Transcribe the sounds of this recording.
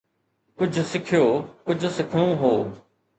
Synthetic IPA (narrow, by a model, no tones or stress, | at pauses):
kʊd͡ʑʱʊ̆sɪkʰijoːkʊd͡ʑʱʊ̆sɪkʰɽũɦoː